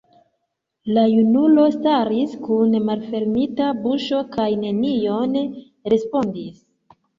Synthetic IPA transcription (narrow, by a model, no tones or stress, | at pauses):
lajunulo̞staɾiskunmalfe̞ɾmitabuʃo̞kajne̞nijo̞n | ɾe̞spo̞ndis